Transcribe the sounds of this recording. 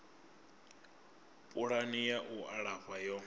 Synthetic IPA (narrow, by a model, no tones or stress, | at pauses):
pʼuɺanijaʔuʔaɺaɸajɔ